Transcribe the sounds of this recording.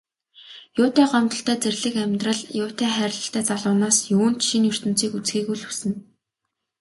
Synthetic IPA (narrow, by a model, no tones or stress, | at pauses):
jʊːt̪ʰæːɢɔmt̪ɞ̆ɬt̪œːt͡serɮɘ̆kæmʲt̪rə̆ɮjʊːt̪ʰæːχæːɾʲɪ̆ɮə̆ɬt̪æːt͡saɮʊːnaːsjuːn̥t̪ʃinjɵr̥t̪ɵ̆m̥t͡siːkut͡sɡiːkujɮusɘ̆n